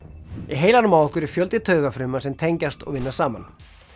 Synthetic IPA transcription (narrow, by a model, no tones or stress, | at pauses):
iɦeːjlanʏmaːwɔhkʏɾɛɾ̥fjœlt̪ɪt̪ʰœːɥɣafɾʏmːasɛmt̪ʰejɲcast̪ɔ̰ɣvɪnːasaːma̰n